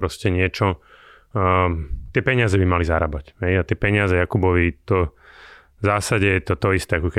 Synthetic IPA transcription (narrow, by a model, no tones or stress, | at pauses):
ɾɔscɛɲɪɛt͡ʃɔ | t̪ɪɛpɛɲɪazɛbimalizaɾabacɦɛjat̪ɪɛpɛɲɪazɛjakubɔʋit̪ɔ | zaːsaɟɛjɛt̪ɔt̪ɔist̪ɛakɔkɛ